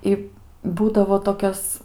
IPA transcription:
ˈɪ ˈbuːdɐʋoː toːˈkʲɛs

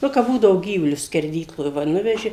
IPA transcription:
ˈnʊ kɐp ˈbuːdɐʋoː ˈɡʲiːʋʊlʲʊs sʲkʲɛrʲˈdʲiːklˠoːj ʋɐ ˈnʊʋʲɛʒʲɪ

